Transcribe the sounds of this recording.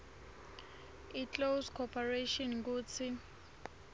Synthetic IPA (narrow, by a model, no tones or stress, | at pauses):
itlowskʰɔpʰareʃɔnk̬uːt͡sʰi